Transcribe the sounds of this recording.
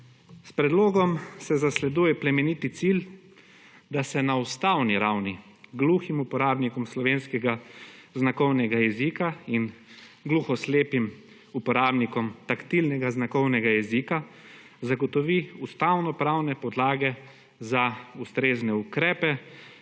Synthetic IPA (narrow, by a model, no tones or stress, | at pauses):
spɾɛd̪loːɡɔmsɛzaslɛd̪ujɛpɾɛmɛnit̪it̪sil | d̪asɛnaust̪awniɾawni | ɡluximupɔɾaːbnikɔmslɔʋeːnskɛɡaznakɔwnɛɡajɛzikain | ɡluxɔsleːpim | upɔɾaːbnikɔmt̪akt̪ilnɛɡaznakɔwnɛɡajɛzika | zaɡɔt̪ɔʋiust̪awnɔpɾawnɛpɔd̪laːɡɛ | zaust̪ɾeːznɛukɾɛːpɛ